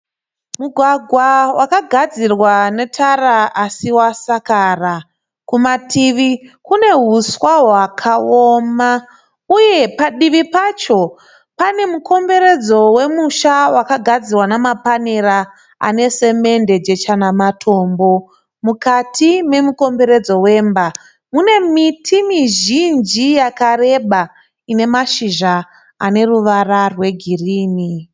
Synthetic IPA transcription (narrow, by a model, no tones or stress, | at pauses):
muɡʱwaɡʱwawakaɡʱad͡zirwane̞tʰaraasiwasakaːra | kumatiʋikune̞ɦuswaɦwakʰaoːma | uje̞paɗiʋipat͡ʃo̞ | pane̞muko̞mbe̞ɾe̞d͡zo̞we̞muʃawakaɡʱad͡zirwanamapaneɾa | a̰ne̞se̞me̞nde̞d͡ʒe̞t͡ʃanamatʰo̞ːmbo̞ | mukatʰime̞muko̞mbe̞ɾe̞d͡zo̞we̞ːmba | mune̞mitʰimiʒind͡ʒijakare̞ɓa | ine̞maʃiʒa | ane̞ruʋararwe̞ɡʱiriːni